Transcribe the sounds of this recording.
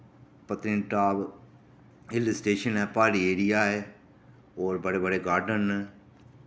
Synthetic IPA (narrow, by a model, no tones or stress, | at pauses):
pət̪ɾɪ̃nʈaːb | ɦɪlsʈeːʃənɛːpaːɾiːeːɾɪjaːɦɛː | ɔːɾbəɽeːbəɽeːɡaːɾɖənɛ